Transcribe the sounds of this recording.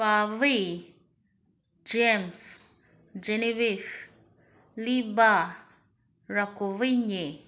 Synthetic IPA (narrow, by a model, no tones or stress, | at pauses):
avi | d͡ʒems | d͡ʒenivif | liba | ɾakuviɲe